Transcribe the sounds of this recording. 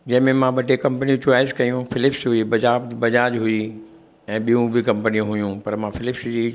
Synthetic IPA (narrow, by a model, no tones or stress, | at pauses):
d͡ʑɐ̃ɦɪ̃mẽmãɓɐʈekɐ̃mpəniũt͡ɕʊaːɪzkɐjũfɪlɪpsɦʊibɐd͡ʑaːbbɐd͡ʑaːd͡ʑɦʊi | ɛ̃ːɓijũbʱɪkɐ̃mpənijũɦʊjũpɐɾmãfɪlɪpsd͡ʑiː